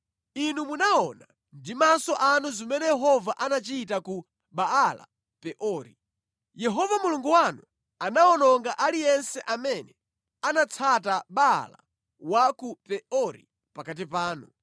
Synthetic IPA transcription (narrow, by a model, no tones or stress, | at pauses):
inumunaɔna | ndimasɔʔanuzimɛnɛjɛɦɔvaʔanat͡ʃiːtaku | ɓaala̰ | pɛʔɔːɾḭ | jɛɦɔvamuluŋɡuwanu | anaɔnɔŋɡaʔalijɛnsɛʔamɛnɛ | anat͡sʰataɓa̰la̰ | wakupɛɔɾḭ | pakat̬ipaːnu